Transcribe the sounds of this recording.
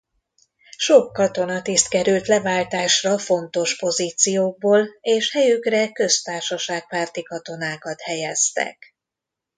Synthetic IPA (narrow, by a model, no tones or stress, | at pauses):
ʃo̞kːɒt̪o̞nɒt̪ist̪kɛɾylt̪lɛvaːlt̪aːʃrɒfo̞nt̪o̞ʃpo̞ziːt̪sijoːɡ̚boːleːʃhɛjykrɛkø̞st̪aːrʃɒʃaːk̚paːrt̪ikɒt̪o̞naːkɒt̪hɛjɛst̪ɛ̰k